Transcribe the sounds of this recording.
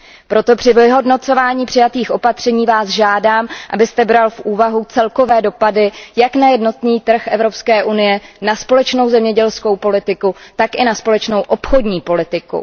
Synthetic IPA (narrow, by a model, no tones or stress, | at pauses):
pɾo̞t̪o̞pr̝̥ɪvɪɦo̞dno̞t͡so̞vaːɲiːpr̥ɪjat̪iːxʔo̞pat̪r̝̥ɛɲiːvaːzʒaːdaːmʔa̰bɪst̪ɛbɾalfʔuːvaɦut͡sɛlko̞vɛːdo̞padɪjaknajɛdno̞t̪niːt̪r̩xʔɛvɾo̞pskɛːʔunɪjɛnaspo̞lɛt͡ʃno̞wzɛmɲɛɟɛlsko̞wpo̞lɪt̪ɪkut̪akʔɪnaspo̞lɛt͡ʃno̞wʔo̞pxo̞dɲiːpo̞lɪt̪ɪkṵ